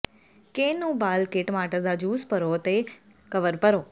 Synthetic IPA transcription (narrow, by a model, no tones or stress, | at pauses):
kenũːbaːlkeʈmaːʈəd̪ad͡ʒuːspəɾoːt̪e | kəʋəɾpəɾoː